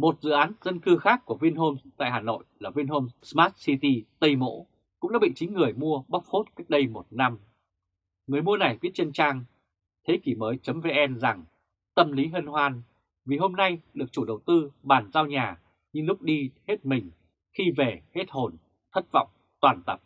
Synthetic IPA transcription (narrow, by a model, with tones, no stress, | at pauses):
mo˨˩t̚zɨ̰˧˨ʔaː˨˦nzə˧nkɨ˧xaː˦˥kːu˧˩əvi˧ənɦo˧mt̪a̰ː˧˨jɦaː˨˩no̰˧˨jlaː˨˩vi˧nho˧msmaː˦˥t̚si˧t̪i˧t̪ə˧jmo̰˧˥ | kʊ̰˧˥ŋ͡mɗaː˨˧˦ɓḭ˧˨ŋt͡ɕï˨˦ŋ̟ːɨ˨˩əjmu˧əɓa˦˥p̚ho˦˥t̚k̚ɗə˧jmo˨˩t̚na˧m | ŋɨ˨˩əjmu˧əna˨˩jvi˦˥ət̚t͡ɕe˧nt͡ɕaː˧ŋ | t̪ʰe˨˦ki˧˩məː˨˦jt͡ɕə˨˦mve˧ʔɛ˧nza˨˩ŋ | t̪ə˧mli˨˦ɦə˧nhwaː˧n | vi˨˩ɦo˧mna˧jɗɨ˨˩ək̚t͡ɕu˧˩ɗə˨˩wt̪ɨ˧ɓaː˨˩nzaː˧wɲaː˨˩ | ɲɨ˧lʊ˦˥k͡p̚ɗi˧he˦˥t̚mï˨˩ŋ̟ | xi˧ve˨˩he˦˥t̚ho˨˩n | t̪ʰə˦˥t̚vɔ̰˧˨wŋ͡m | t̪waː˨˩nt̪ə˨˩p̚